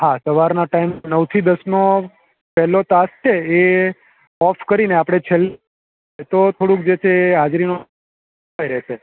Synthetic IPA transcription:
ɦasəʋaɾnaʈaimnəwt̪ʰid̪əsno | pɛɦlot̪ast͡ʃʰee | ɔpʰkəɾineapɽ̃et͡ʃʰel | t̪ot̪ʰoɽũkd͡ʒet͡ʃʰeːad͡ʒɾino | ajɾɛʃʰe

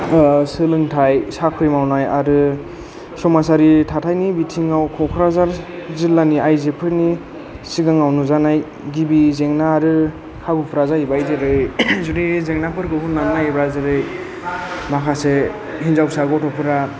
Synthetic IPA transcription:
sɯlɯŋtʰajsakʰɯjmawnaja̰ɾɯ | sɔmasaɾitʰatʰajnibitʰiŋawkʰɔkʰɾazaɾzilːaniajzepʰɯɾni | siɡaŋawnuzanaj | ɡibizeŋnaːɾɯ | kʰabɯpʰɾazaibajzɯɾɯjzuɾizeŋnapʰɯɾɡɯɦunːamnajbɾazɯɾɯj | makʰase | hinzawsaɡɔtʰɔpʰɯɾa

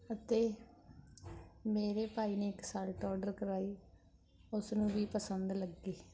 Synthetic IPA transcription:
ət̪eː | meːɾeːpaːiːneːɪksaːlʈɔːɖəɾkəɾaːiː | ʊsnũːʋiːpəsənd̪ləɡːiː

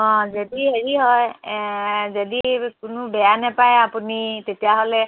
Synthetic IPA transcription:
ɔ̃zodiheɹiɦɔj | zodikʊnʊbɛjanɛpajapunitetijaɦolɛ

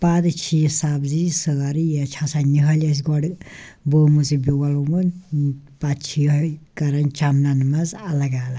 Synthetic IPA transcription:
pad̪ɨt͡ʃʰisabzisəɾijɐt͡ʃʰasaniɦɐlɐs̬ɡɔɽbəːmut͡sibiwɐlumun | pat̪̚t͡ʃʰiɐkɐɾɐnt͡ʃamnanmɐzɐlɐɡaːl

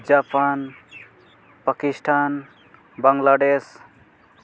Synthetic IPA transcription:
d͡ʒapan | pakisʈʰan | baŋlaɖes

